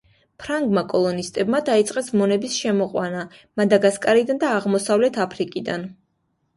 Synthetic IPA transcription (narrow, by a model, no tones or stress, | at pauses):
pʰɾaŋɡmakʼɔlˠɔnist̪ʼɛbmad̪ait̪sʼqʼɛsmɔnɛbisʃɛmɔqʼwanamad̪aɡaskʼaɾid̪and̪aːʁmɔsavlɛt̪ʰapʰɾikʼid̪an